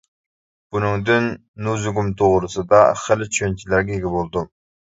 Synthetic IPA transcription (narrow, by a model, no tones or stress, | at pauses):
b̥unɨŋd̪ynː | uzuɡumt̪ʰoʁɾɨsɨd̪ɑχəlɪt͡ʃʰønt͡ʃʰilæɾɡʲɛjiɡʲɛbolˠd̪u